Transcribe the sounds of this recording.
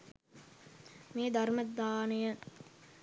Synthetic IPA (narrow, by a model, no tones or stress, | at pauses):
meːd̪ɐɾmɐd̪aːnejə